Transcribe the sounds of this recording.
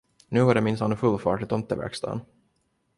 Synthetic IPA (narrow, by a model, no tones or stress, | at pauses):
nʉ̟ːhaɖɛmɪnshanfɵlːfɑːʈɪt̪ʰɔnt̪ːəvɛ̰kst̪ɑ̰ːn